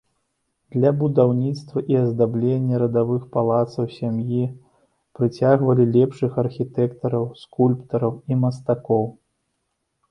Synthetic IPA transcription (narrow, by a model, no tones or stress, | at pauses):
d̪lʲɐbud̪awnʲit̪st̪vɐʔiɐzd̪ablʲenʲːɐɾɐd̪avɨxpalˠat̪sɐwsʲamji | pɾɨt͡sʲaɣvɐlʲilʲɛpʂɨxɐrxʲit̪ɛkt̪ɐɾɐwskulʲpt̪ɐɾɐwimɐst̪akɔw